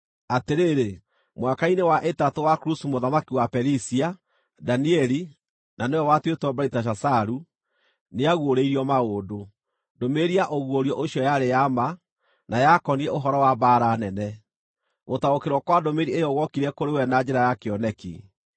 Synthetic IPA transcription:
ateɾeːɾe | mwakainewaʔetatowakɾusumoðamakiwapɛɾisia | daniɛɾi | nanewɛwatwetwɔbaitaʃ̬asaɾu | neaɣwoɾeiɾiɔmaoːdo | domeɾiaʔoɣwoɾiɔʔoɕjɔjaɾejama | najakɔniɛʔoɦɔɾɔwabaːɾanɛnɛ | motaokeɾwɔkwadomeɾiejɔɣɔkiɾɛkoɾewɛnad͡ʑɛɾajakeɔnɛkḭ

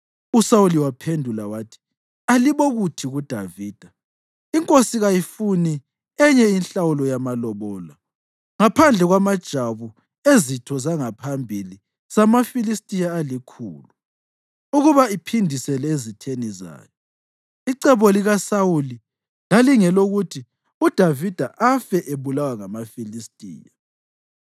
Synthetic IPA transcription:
usawuliwapʰendʱulawaːtʰi̥ | aliβɔɣutʰiɣud̥ʱaviːd̥ʱa | iŋkʼosiɣajifuni | ɛɲɛinɬawulɔjamalɔβɔːla | ŋapʰand͡ɮʱɛɣwamad̥ʒ̥ʱaβu | ezitʰɔzaŋapʰambʱili | samafilistʼijaːlikʰṵːlu | uɣuβaipʰindʱisɛlɛezitʰeniza̰ːjɔ | iǀɛβɔliɣasawuli | laliŋɛloɣutʰi | ud̥ʱavid̥ʱaʔafɛʔeβulawaŋamafilistʼḭːja

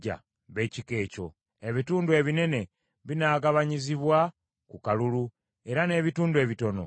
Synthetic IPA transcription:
a̰ | βe̞cike̞ːco̞̰ | eβituːndue̞ːβine̞ne̞ | βinaːɡaβaɲiziβwa | kukalulu | e̞ɾane̞ːβituːndwe̞ːβito̞no̞̰

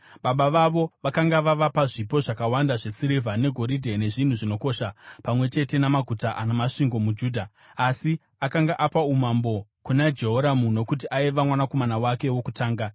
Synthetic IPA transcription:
ɓaɓaʋaʋo̞ʋakaŋɡaʋaʋapaʐipo̞ʐakawandaʐe̞siɾivʱane̞ɡʱo̞ɾidʱe̞ne̞ʐin̤uʐino̞ko̞ʃapamwe̞t͡ʃe̞te̞namaɡʱutaʔanamaʂiŋɡo̞mud͡ʒuːdʱaː | si | akaŋɡaʔapaumambo̞kunad͡ʒe̞ɦo̞ɾamuno̞kut̬iʔaiʋamwanako̞manawake̞wo̞kutaːŋɡa

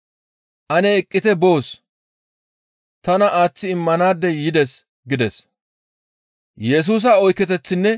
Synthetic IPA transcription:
ʔɐnɛːkʼːɪt̪ɛbo̞ːs | t̪ɐnɐʔaːt͡sːɪɪmːɐnaːd̪ːɛjɪd̪ɛs | ɡɪd̪ɛs | jɛs̬uːs̬ɐɔjkːɛt̪ɛt͡sːɪnːɛ

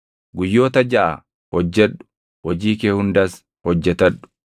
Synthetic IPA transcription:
ɡʊjːo̞ːt̪ɐd͡ʒɐʔɐ̰ | hɔd͡ʒːɛᶑːʊ̥ | wɔd͡ʒiːkeːhʊnd̪ɐs | hɔd͡ʒːɛt̪ɐᶑːʊ̥

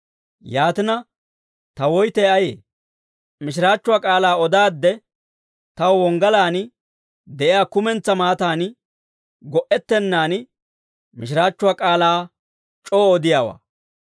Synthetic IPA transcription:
jaːt̪ɪnɐ | t̪ɐwɔjt̪ɛjɐjḛː | mɪʃɪɾaːt͡ʃːʊwaːkʼaːlaːɔd̪aːd̪ːɛ | t̪ɐwwɔŋɡɐlaːnɪ | d̪ɛʔɪjaːkʊmɛnt͡sːɐmaːt̪aːn | ɡɔʔɛt̪ːɛnːaːnɪ | mɪʃɪɾaːt͡ʃːʊwaːkʼaːlaː | t͡ʃʼoːɔd̪ɪjaːwa̰ː

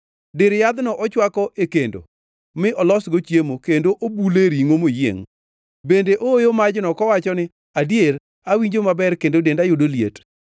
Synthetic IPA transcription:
dɪɾjad̪nɔʔɔt͡ʃwakɔʔekendo̰ | mɪʔɔlɔsɡot͡ʃjemokendoʔobuleɾiŋomojḛŋ | bendeʔoojomad͡ʒnɔkɔwat͡ʃɔnɪ | adjeɾ | awiɲd͡ʒomabɛrkendodendajʊdoljḛt

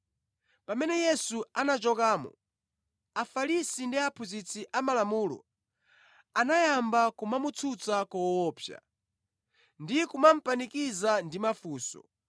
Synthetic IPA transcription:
pamɛnɛjɛsuanat͡ʃɔkaːmɔ̰ | afalisindiapʰuzit͡siʔamalamuːlɔ̰ | anajambakumamut͡sʰut͡sakɔwɔːpʰja̰ | ndikumam̩panikizandimafuːsɔ̰

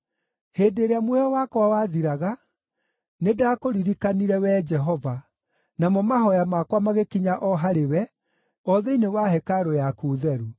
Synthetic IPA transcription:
heːdeɾeamwɛjɔwakɔwawaðiɾaɣa | nedakoɾiɾikaniɾɛwɛd͡ʒɛɦɔva | namɔmaɦɔjamakwamaɣekiɲaʔɔɦaɾewɛ | ɔðɛinewaɦɛkaɾojakuːðɛɾu

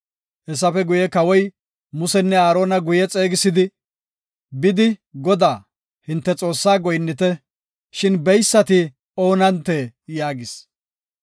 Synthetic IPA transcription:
hɛsɐfɛɡʊjɛkɐwɔj | mʊsɛnːɛaːɾo̞ːnɐɡʊjɛt͡sʼe̞ːɡɪsɪd̪ɪ | bɪd̪ɪɡɔd̪aː | hɪnt̪ːɛt͡sʼo̞ːsːaːɡɔjnːɪt̪ɛ | ʃɪnbɛjsːɐt̪ɪ | o̞ːnɐnt̪ːeːjaːɡɪs

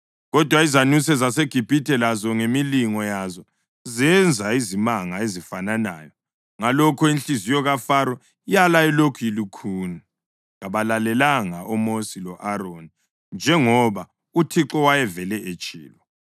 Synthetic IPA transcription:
ɣɔd̥ʱwaizanusɛzaseɡ̥ʱib̥ʱitʰʼɛlazɔŋemiliŋɔjazɔ | zɛnd͡zʱaizimaŋaezifanana̰ːjɔ | ŋalɔkʰɔinɬizijɔɣafaɾɔ | ijalajɛlokʰujilukʰuːni | ɣaβalalɛlaŋaʔɔmosilɔʔaɾoni | nd͡ʒʱɛŋɔβa | utʰiǁɔwajɛvɛlɛʔet͡ʃʼḭːlwɔ

